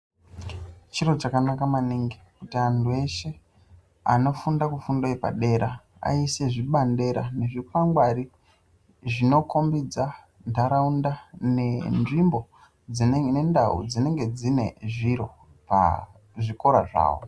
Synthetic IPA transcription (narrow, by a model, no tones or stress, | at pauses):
t͡ʃiɾot͡ʃakanakamaniŋɡikutiandue̞ʃe̞ | a̰no̞fundakufundoipa̰ɗe̞ɾa | a̰ise̞ʐiɓande̞ɾa̰ne̞ʐipaŋɡwaɾi | ʐino̞ko̞mbid͡za | ndʱaɾaundanenʐimbo̞ | d͡zinenendaṵd͡zine̞ŋɡe̞d͡zine̞̰ʐiɾo̞ | pa̰ | ʐiko̞ɾa̰ʐa̰ːwo̰